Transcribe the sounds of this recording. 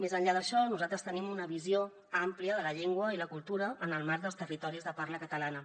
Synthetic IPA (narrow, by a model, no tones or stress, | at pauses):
mezəɲʎaðəʃɔnuzat̪ɾəst̪ənimunəβ̞izio | ampliəðələʎeŋɡwəiləkulˠt̪uɾəːnəlˠmaɾðəlˠst̪ərit̪ɔɾizðəparnəkət̪əlanə